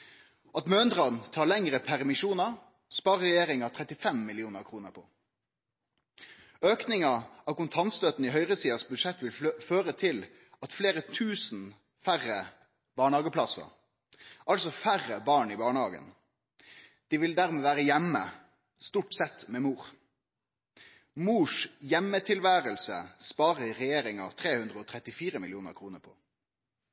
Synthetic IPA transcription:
ʔɑt̪møːnd̪ʁɑnt̪ʰɑːɾlɛŋʁəpʰæʁmɪʃuːnɑɾ | spɑːʁəʁɛjeːɾɪŋɑt̪ʰʁɛt̪ɪfɛmːɪlɪuːnəɾkʰɾuːnəɾpʰɔ̰ | øːknɪŋɑɑʋkʊnt̪ʰɑnt̪st̪øːt̪n̩ɪɦœʏʁəsiːɑsbʉd̪ʂɛt̪ːʋɪlføːɾət̪ʰɪl | ɑt̪fleːʁət̪ʰʉːsn̩ | fæʁə | b̥ɑːɳhɑːɡəpʰlɑsə̰ | ʔɑlsɔfæʁəbɑːɳibɑːɳəhɑːɡə̰n | d̪̥ɪʋɪld̪æʁmɛːʋæːɾəjɛmːə̰ | st̪uːʈsɛt̪ːmɛmuːʁ | muːʂjɛmːət̪ʰɪlʋæːʁəlsə̰spɑːʁəɪʁɛjeːɾɪŋɑ̰ʋt̪ʰʁeːhʉnd̪ʁəɔːt̪ʰʁɛt̪ɪfiːɾəmɪlɪuːnə̰ɾkʰʁuːnəɾpʰɔ̥̰

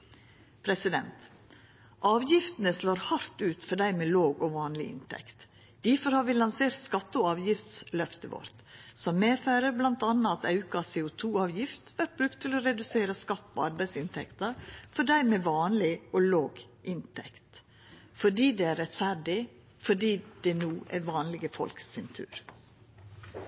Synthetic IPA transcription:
pʰɾɛsɪd̪ɛnt̪ | ʔɑːʋjɪft̪ənəsloːɾhɑɾt̪ʉːt̪fɔɖæɪmeːloːɡɔʋɑːnlɪ̰ʔɪ̰nt̪ʰɛ̰kt̪ | d̪̥æfɔɾhɑːɾʋɪlɑnseːɾt̪skɑt̪ːɔɑːʋjɪft̪slœft̪əʋɔ̰ɾt̪sɔmːeːfæːɾəɾblɑnt̪ɑnːɑɑt̪ɑʉkɑseːʊt̪ʰuːɑːʋjɪft̪ʋæʈ̪̚bɾʉk̚t̪ʰːɪlɔɾɛd̪ʉseːɾəskɑt̪ːpʰɔɑɾbæɪsɪnt̪ʰɛ̰kt̪ɑɾfɔɖæɪmɛʋɑːnlɪɔloːɡ | ʔɪnt̪ʰɛ̰kt̪ | fɔɖiːd̪ɛæɾɛt̪fæɖɪ | fɔɖiːd̪̥ɛnuːʔæ̰ɾʋɑːnlɪɡəfɔ̰lksɛnt̪ʰʉ̰ːɾ

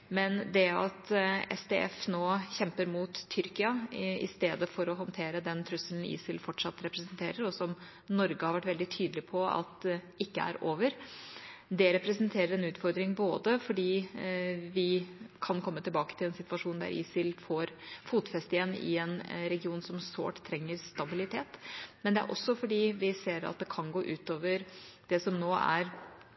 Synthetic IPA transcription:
mɛnd̪ɛɑ̰t̪ɛ̰st̪ʰɛ̰ɛ̰fnoːçɛmpəɾmuːt̪ʰːʏɾkɪɑɪ̰st̪eːd̪əfɔɾɔɦɑnt̪ʰeːɾəd̪ɛnt̪ʰɾʉsəln̩ḭːsɪlfɔʈʂɑt̪ːɾɛpɾɛsənt̪ʰeːɾəɾɔsɔm | nɔɾɡəhɑɾʋæʈːʋɛld̪ɪt̪ʰyːd̪əlɪpʰɔɑ̰t̪ | ɪkːəæ̰ɾoːʋəɾ | d̪ɛɾɛpɾɛsənt̪ʰeːɾəɾɛnʉːt̪fɔɾd̪ɾɪŋboːd̪əfɔɖiː | ʋɪkʰɑnkʰɔmːət̪ɪlbɑːkə̥t̪ʰɪlɛnsɪt̪ʋɑʂuːnd̪æ̰ɾʔɪ̰sɪlfoɾfuːt̪fɛst̪əjɛnːɪ̰ɛnɾɛɡɪuːnsɔmso̰ːʈt̪ʰːɾɛŋːəɾst̪ɑbɪlɪt̪ʰeːt̪mɛnd̪ɛæ̰ɾʔɔ̰sːɔfɔɖiːʋɪseːɾɑ̰t̪̚d̪ɛkʰɑnɡoːʔʉːt̪oːʋəɾ | d̪̥ɛsɔmnoːæ̰ɾ

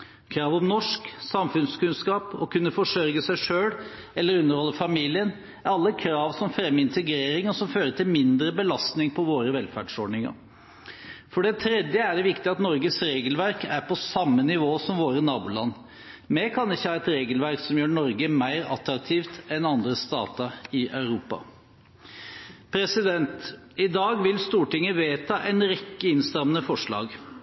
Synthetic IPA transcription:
kʰɾɑːʋɔmnɔʂksɑmfʉnskʉnskɑːpɔ̰kʉnːəfɔʂœɾɡəsæɪʂøːl | ɛlːəɾʉnːəɾhɔlːəfɑmiːlɪən | ɑlːəkʰɾɑːʋsɔmfɾɛmːɪnt̪əɡɾeːɾɪŋɔsɔmføːɾəʈʰɪlmɪnd̪ɾəbəlɑst̪nɪŋpʰɔʋoːɾəʋɛlfæ̰ɖʂɔɖnɪŋɑ̰ɾ | fɔɖɛt̪ʰɾɛd̪jəæɖɛʋɪkt̪ɪɑt̪nɔɾɡəsɾeːɡəlʋæɾkæɾpʰɔsɑmːənɪʋoːsɔmʋoːɾənɑːbʊlɑnː | mɛkʰɑnɪçːəhɑːɛt̪ɾeːɡəlʋæɾksɔmjøːɳɔɾɡəmæɪɾɑ̰t̪ɾɑk̚t̪ʰiːft̪ɛnɑnd̪ɾəst̪ɑ̰ːt̪əɪʔɑʉɾuːpɑ̰ | pʰɾɛsɪd̪ɛnt̪ | ɪd̪ɑːɡʋɪlst̪uːʈɪŋːəʋeːt̪ʰɑːʔɛnɾɛkːəɪnst̪ɾɑmnəfɔʂɭɑ̰ːɡ

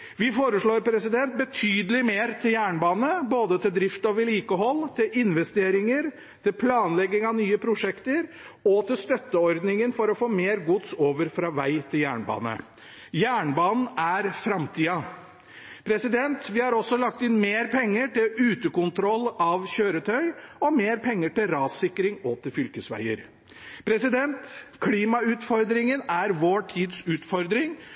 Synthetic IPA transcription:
ʋɪfoːɾəʂɭoːɾpʰɾɛsɪd̪ɛnt̪̚bət̪ʰyːd̪əlɪmeːɾt̪ʰɪljæːɳbɑːnəboːd̪ət̪ʰɪld̪ɾɪft̪ɑʋɪliːkəɦɔlːt̪ʰɪlɪnʋɛst̪eːɾɪŋəɾ | t̪ʰɪlpʰlɑːnlɛɡːɪŋɑʋnyːəpʰɾʊʂɛkt̪əɾ | ɔt̪ʰɪlst̪œt̪ːəɔɾd̪nɪŋənfɔɾɔfoːmeːɾɡʊt̪soːʋəɾfɾɑːʋæɪt̪ʰɪljæ̰ːɳbɑ̰ːnə̰ | jæːɳbɑːnn̩æɾfɾɑmt̪ʰiːɑ | pʰɾɛsɪd̪ɛnt̪ʋɪhɑɾɔsɔlɑk̚t̪ɪnmeːɾpʰɛŋːəʈɪlʉːt̪əkʊnt̪ʰɾɔlːɑʋçøːɾət̪ʰœʏɔmeːɾpʰɛŋːəʈɪlɾɑːsɪkɾɪŋɔt̪ʰɪlfʏlkəsʋæ̰ɪəɾ | pʰɾɛsɪd̪ɛnt̪kʰliːmɑʉːt̪fɔɾd̪ɾɪŋənæɾʋoːʈʰiːd̪sʉːt̪fɔɾd̪ɾɪŋ

